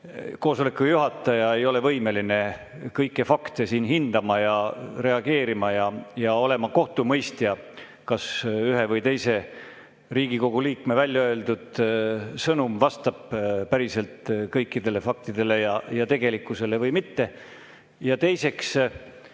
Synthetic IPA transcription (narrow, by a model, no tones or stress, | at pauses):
ko̞ːso̞lekːˑujuɦɑt̪ːˑɑjɑe̞jo̞le̞vɤjme̞line̞ | kɤjkːˑefɑkt̪esiːnɦind̪̥ɑmɑjɑre̞ɑɡ̥e̞ːɾimɑjɑjɑo̞le̞mɑko̞ht̪umɤjst̪jɑ | kɑsyɦe̞vɤjt̪e̞jse̞ | riːɡ̥iko̞ɡ̥uliːkme̞vælʲjɑøe̞ld̪ud̪̥sɤnumvɑst̪ɑb̥pæɾise̞lt̪kɤjkːid̪̥e̞le̞fɑk̚t̪id̪̥e̞le̞jɑjɑt̪e̞ɡ̥e̞likːˑuse̞le̞vɤjmit̪ːe̞ | jɑt̪e̞jse̞ks